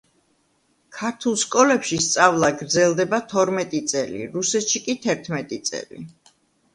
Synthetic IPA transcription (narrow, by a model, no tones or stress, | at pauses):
kʰaɾt̪ʰulˠskʼɔlɛpʃist̪sʼavlˠaɡɾd̪zɛlˠd̪ɛbat̪ʰɔɾmɛt̪ʼit̪sʼɛlḭɾusɛt̪ʃikʼit̪ʰɛɾt̪ʰmɛt̪ʼit̪sʼɛ̰lḭ